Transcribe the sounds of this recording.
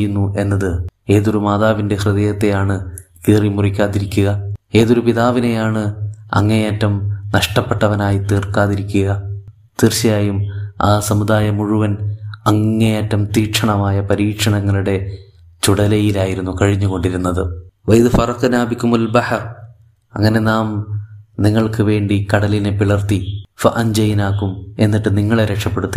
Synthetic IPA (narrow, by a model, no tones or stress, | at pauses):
junːuʔe̞nːɐðɨe̞ːðo̞ɾumaːðaːʋinde̞hrɨðɐjɐt̪ːe̞jaːɳɨkiːrimurikʲːaːðiɾikʲːuɣɐe̞ːðo̞ɾupiðaːʋine̞jaːɳɨɐ̰ŋːɐejɐtːɐmnɐʂʈɐpːe̞ʈːɐʋɐnaːjit̪iːrkaːðiɾikʲːuɣɐ | t̪irt͡ɕːɐjaːjumaːsɐmud̪aːjɐmuɻuʋɐnɐŋːejɐtːɐmt̪iːkʂɐɳɐmaːjɐpɐɾiːkʂɐɳɐŋːɐɭuɽe̞ | t͡ɕuɽɐlɐjilaːjiɾunːukɐɻiɲːuɣo̞ɳɖiɾunːɐðɨʋɐjiðɨfɐrɐqnaːbikumɐlbɐħɐr | ɐ̰ŋːɐne̞naːmniŋːɐɭkɨʋe̞ːɳɖikɐɽɐlinɨpiɭɐrt̪ifɐʔɐnd͡ʑɐjnaːkume̞nːiʈːɨniŋːɐɭeɾekʂɐpːe̞ɽut̪ːi